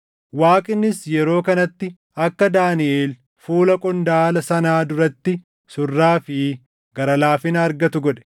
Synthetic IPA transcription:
waːkʼɪnːɪsjɛɾo̞ːkɐnɐt̪ːɪ | ɐkːɐd̪aːnɪʔeːl | fuːlɐkʼɔnd̪aːlɐsɐnaːd̪ʊɾɐt̪ːɪ | sʊrːaːfɪ | ɡɐɾɐlaːfɪnɐɐɾɡɐt̪ʊɡɔᶑɛ̥

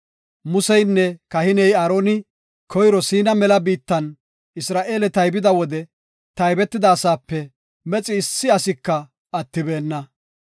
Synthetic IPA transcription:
mʊsɛjnːɛkɐhɪnɛjaːɾo̞ːnɪ | kʰɔjɾɔsiːnɐmɛlɐbiːt̪ːɐn | ɪsɾaːʔe̞ːlɛt̪ɐjbɪd̪ɐwɔd̪ɛ | t̪ɐjbɛt̪ːɪd̪ɐːsaːpːɛ | mɛt͡sʼɪːsːɪɐsɪkːɐ | ɐt̪ːɪbe̞ːnːɐ

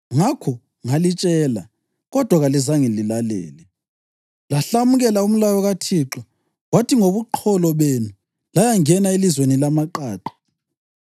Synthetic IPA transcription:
ŋakʰɔ | ŋalit͡ʃʼɛːla | ɣɔd̥ʱwaɣalizaŋililalɛ̰ːlɛ | laɬamuɣɛlaum̩lajɔɣatʰiǁɔ | watʰiŋoβuǃʰɔlɔβenu | lajaŋɛnaelizwenilamaǃaːǃɔ̥

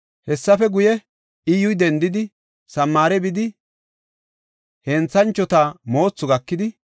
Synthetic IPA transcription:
hɛsːɐfɛɡʊjɛ | ɪjʊjd̪ɛnd̪ɪd̪ɪ | sɐmːaːɾɛbɪd̪ɪ | hɛːnt͡sːɐnt͡ʃːɔt̪amo̞ːt͡sːʊɡɐkːɪd̪ɪ

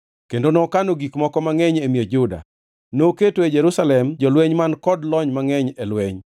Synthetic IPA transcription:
kendonɔkanoɡikmɔkɔmaŋɛɲemied͡ʒʊda̰ | noketoed͡ʒɛɾusalɛmd͡ʒɔlweɲmankɔdlɔɲmaŋɛɲelweɲ

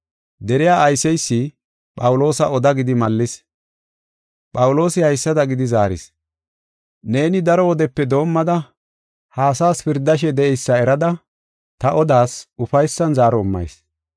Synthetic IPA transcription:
d̪ɛɾɪjaːɐjsɛjsːɪ | pʼɐwʊlo̞ːsɐɔd̪ɐɡɪd̪ɪmɐlːɪs | pʼɐwʊlo̞ːsɪhɐjsːɐd̪ɐɡɪd̪ɪzaːɾɪ̰s | ne̞ːnɪd̪ɐɾɔwɔd̪ɛpːɛd̪o̞ːmːɐd̪ɐ | haːsaːspɪɾd̪ɐʃ̬ɛd̪ɛʔɛjsːɐɛɾɐd̪ɐ | t̪ɐʔɔd̪aːsʊfɐjsːɐnzaːɾɔʊmːɐ̰js

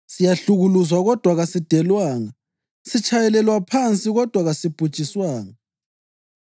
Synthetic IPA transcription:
sijaɬuɣuluzwaɣɔd̥ʱwaɣasid̥ʱɛlwaːŋa | sit͡ʃʼajɛlɛlwapʰant͡sʼiɣɔd̥ʱwaɣasib̥ʱu̥t͡ʃʼiswaːŋa

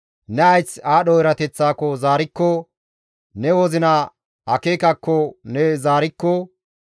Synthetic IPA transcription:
nɛɐjt͡sːaːɗɔɪɾɐt̪ɛt͡sːaːkɔzaːɾɪkːɔ | nɛwɔzɪna | ʔɐkeːkɐkːɔnɛzaːɾɪkːɔ

